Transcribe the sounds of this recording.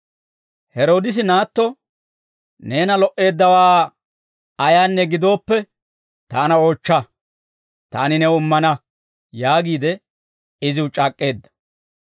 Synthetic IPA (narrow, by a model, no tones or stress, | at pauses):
hɛɾo̞ːd̪ɪs̬ɪnaːt̪ːɔ | ne̞ːnɐlɔʔe̞ːd̪ːɐwaː | ɐjaːnːɛɡɪd̪o̞ːpːɛ | t̪aːnɐo̞ːt͡ʃːɐ | t̪a̰ːnɪnɛwʊmːɐnɐ | jaːɡiːd̪ɛ | ɪzɪwʊt͡ʃʼaːkʼːe̞ːd̪ːɐ̥